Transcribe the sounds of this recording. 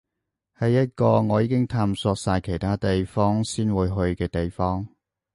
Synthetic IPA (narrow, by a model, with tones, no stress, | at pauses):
hɐ˨jːɐ˥t̚kɔː˧ŋɔː˨˧jiː˨˧kɪ˥ŋt̪ʰaː˧msɔː˧k̚saː˧jkʰe˨˩jt̪ʰaː˥t̪e˨jfɔː˥ŋsiː˥nwuː˨˧jɦɵ˧ɥkɛː˧t̪e˨jfɔː˥ŋ